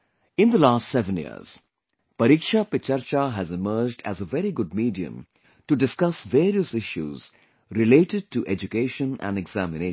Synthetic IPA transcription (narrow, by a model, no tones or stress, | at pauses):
ɪ̃nd̪əlaːstsɛʋə̃njḭə̰ɾz̥ | pʌɾikʃapɪt͡ʃəɾt͡ʃaɦæzɪməɾd͡ʒɖæ̰zəʋɛɾiɡʊɖ̚miːɖiə̰̃m | ʈuɖɪskʌsʋeːɾiəsɪʃjṵːz̥ | ɾɪleːʈɪɖ̚ʈuʔed͡ʒukeːʃə̃næ̰̃nɛɡz̥æmɪneː